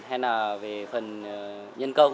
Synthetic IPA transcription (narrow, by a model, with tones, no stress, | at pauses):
ɦɛ˧naː˨˩ve˨˩fə˨˩n˨ | ɲə˧nkə˧wŋ͡m